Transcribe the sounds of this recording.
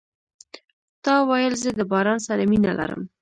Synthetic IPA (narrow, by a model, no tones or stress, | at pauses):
t̪ɑwajəlzəd̪əbɑɾɑnsaɾaminalʔa̰ɾə̰m